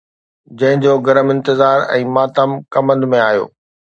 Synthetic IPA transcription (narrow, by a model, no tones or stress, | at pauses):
d͡ʑɐ̃ɦɪ̃ɲd͡ʑoːɡɐɾəmɪ̃nt̪ɪzaːɾɛ̰̃ːmaːt̪əmkɐmə̃nd̪mẽaːɦjo̰ː